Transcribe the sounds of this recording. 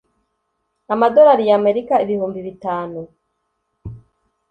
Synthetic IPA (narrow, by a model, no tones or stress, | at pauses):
amado̞ɾaɾijaːme̞ɾikaiβihuːmbiβitaːnu